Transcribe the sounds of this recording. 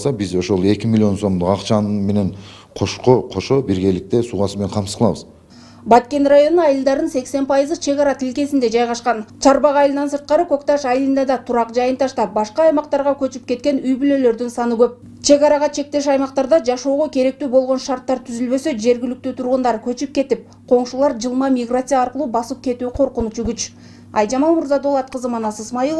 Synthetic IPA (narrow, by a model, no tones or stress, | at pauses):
sɑbizo̞ʃo̞lˠe̞kʲimilʲio̞nso̞md̪uqɑqt͡ʃɑnme̞ne̞ɴ | qʰoʃqoqʰo̞ʃobiɾɡe̞lɪk̚t̪e̞suʁɑsɯme̞nenqʰɑmsə̥zqəlˠɑβəz | bɑt̪kʲe̞nrajo̞nuɑjɯlˠd̪ɑɾd̪ɯnse̞kse̞npʰɑjɯzɯt͡ʃʰe̞ɣɑɾɑt̪ʰilke̞sind̪e̞d͡ʒɑjʁɑʃqɑnt͡ʃʰɑɾbɑʁɑjlˠɯnɑnsɯɾt̪̚qɑɾɯko̞kt̪ɑʃɑjlˠɯnd̪ɑd̪ɑt̪ʰuɾɑqd͡ʒɑjɯnt̪ʰɑʃt̪ɑp̚bɑʃqɑːjmɑqt̪ɑɾʁɑkøt͡ʃyp̚ke̞t̪̚kʲe̞nyjbylø̞lø̞ɾd̪ynsɑnɯɡø̞p̚ | t͡ʃʰe̞ɡɑɾɑʁɑt͡ʃʰe̞k̚t̪e̞ʃ̬ɑjmɑqt̪ɑɾd̪ɑd͡ʒɑʃo̞ːʁo̞kʲʰe̞ɾe̞k̚t̪yːbo̞lˠʁo̞nʃɑrɾt̪ːɑɾt̪ʰyzylbø̞sø̞d͡ʒe̞ɾɡʲɪlyk̚t̪yt̪ʰuɾʁund̪ɑɾkʲʰɵt͡ʃyp̚kʲe̞t̪ip̚ | qʰo̞ɴʃulˠɑɾd͡ʒɯlˠmɑmʲiɡrat̪sɨjɑːɾqəlˠuːbɑsɯp̚kʲe̞t̪uːqʰo̞ɾqunut͡ʃuɡʲyt͡ʃ | ɑ̰jd͡ʒɑmɑmuɾzɑd̪o̞lˠɑt̪̚qəzɯmɑnɑsɯsmɑjilˠ